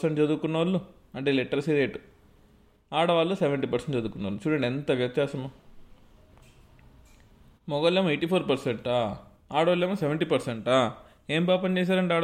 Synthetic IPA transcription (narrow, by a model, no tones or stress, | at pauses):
seɳʈt͡ʃɐd̪uːkunːɐʋalːu | ɐɳʈe̞ːleʈːɐɾsiɾeːʈu | aːɽɐʋaːlːoseʋɐɳʈiːpɐɾseɳʈt͡ʃɐd̪uːkːunːɐʋɐlut͡ʃuːɽɐɳɖent̪ɐʋjɐt̪jaːsɐma | mɔɡɐlːeːmɐejʈiːpʰoːɾpɐɾseɳʈaː | aːɽɐʋalːeːmɐseʋeɳʈiːpɐɾseɳʈaː | eːmpaːpɐɲt͡ʃeːs̬aːɾɐɳʈaːɽ